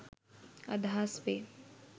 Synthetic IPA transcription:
ɐ̰d̪ʱaːspe

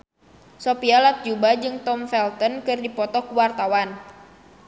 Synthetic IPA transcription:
sɔpialat̪̚d͡ʒubad͡ʒɨŋt̪ɔmfɛlt̪ɔnkɨrdipɔt̪ɔkuwart̪awan

